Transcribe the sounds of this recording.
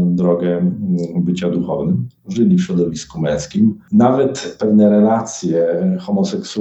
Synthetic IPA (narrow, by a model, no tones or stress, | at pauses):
d̪ɾɔɡɛbɘt͡ɕad̪uxɔvnɘmʐɘlʲifɕɾɔd̪ɔvʲiskumɛ̃w̃skʲimnavɛt̪pɛvnɛɾɛlat̪sʲjɛxɔmɔsɛksu